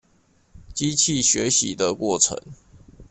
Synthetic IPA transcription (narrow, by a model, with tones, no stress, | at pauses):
t͡ɕi˦t͡ɕʰi˥˨ɕɥɛ˨˧˦ɕḭ˨d̪ə˨kwɔ˥˩ʈ͡ʂʰə̰˧˦ŋ